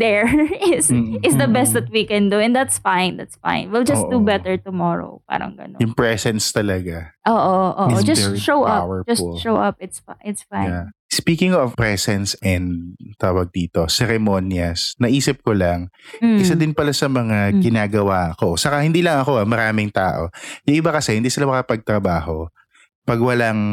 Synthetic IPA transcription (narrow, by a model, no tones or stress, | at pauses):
d̪ɛɹɪsɪtsd̪ɐbɛst̪̚ðɐt̪̚wikɛ̃nd̪uɛ̃nd̪at̪sfãɪnd̪at̪sfã̰ɪ̃nwild͡ʒɐsd̪ubɛt̪ɛɹt̪ʊmɔɹo̰pa̰ːɾɐ̰ŋɡɐ̰no̰jʊŋpɹɛsɛnst̪ɐlɐɡaʔoːʔoʔoːʔd͡ʒɐɛʃowʔɐapwwɛɹd͡ʒɐslʃowʔɐpɪt̪saɪt̪sfãjjanspiːkɪŋɔvpɹɛsɛnsɛnd̪t̪aːwɐɡ̚d̪iːt̪o̞sɛɾɛmo̞njɐsnɐʔiːsɪp̚kolɐŋʔɪsad̪ɪnpɐlasɐmɐŋaɡɪnaːɡɐwaːko̞sɐkahɪnd̪iːlɐŋɐko̞amɐɾaːmɪŋt̪aːʔo̞̰jʊŋʔɪbakɐsɛhɪnd̪iːsɪlamɐkɐpɐɡ̚t̪ɾɐbaːho̞ | pɐɡwɐlaŋ